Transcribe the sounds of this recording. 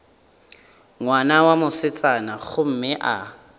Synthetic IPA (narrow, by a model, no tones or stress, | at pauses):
ŋwanawamʊsɪt͡sʼanaχʊm̩mɪʔa̰